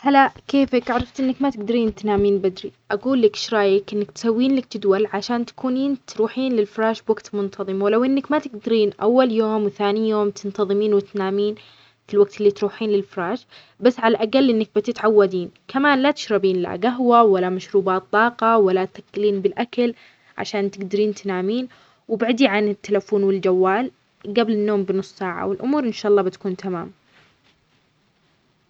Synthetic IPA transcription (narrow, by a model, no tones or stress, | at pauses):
halakeːfɪkaʕɾˤɑft̪ʔɪnːakmat̪ɪɡ̚d̪aɾiːnt̪naːmiːnbad̪ɾiʔaɡuːlːɪkʃɾˤɑːjɪkʔɪnːakt̪sawːiːnlak̚t̪ɪd̪walʕaʃaːnt̪ḁkuːniːnt̪ɾuːħiːnlɪlfɾˤaːʃbwaɡt̪mʊnt̪ʰɑðˤɨmwɪlawʔɪnːakmat̪ɪɡd̪aɾiːnʔa̰wːaljoːmwɪθaːnijoːmt̪ʰɪnt̪ɑðˤɨmiːnwɪt̪naːmiːn | filwaɡ̚t̪ɪlːiːt̪ɾuːħiːnlɪlfɾˤɑːʃ | basːʕalaʔaɡalːʔɪnːak̚bɪt̪ɪt̪ʕawːad̪iːnkamaːnlat̪ɪ̥ʃɾɑbiːnla̰ɡaɦwawalːamaʃɾuːbaːt̪ˤːɑːqɑwalːat̪θakːɪliːnbɪlʔakal | ʕa̰ʃaːnt̪ɪɡd̪aɾiːnt̪naːmiːn | wɪbaʕd̪iʕanɪt̪ːalafuːnwɪld͡ʒawːaːl | ɡablɪnːoːmbɪnʊsˤːsaːʕa̰wɪlʔʊmuːɾʔɪnʃaːʔɑlˤːɑːbɪt̪kuːnt̪ama̰ːm